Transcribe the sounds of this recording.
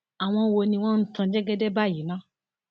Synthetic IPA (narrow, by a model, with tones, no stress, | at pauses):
a˨w̃ɔ̃˧wo˧nĩ˧w̃ɔ̃˦n̩˦tã˧d͡ʒɛ˦ɡɛ˦dɛ˦ba˦˨ji˨˦nã˦